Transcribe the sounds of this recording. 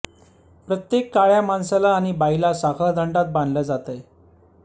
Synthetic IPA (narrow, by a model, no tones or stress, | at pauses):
pɾət̪jekːaɭjamansalaːɽ̃ibailasakʰaɭd̪ʱəɳɖat̪̚band̪lad͡zat̪əj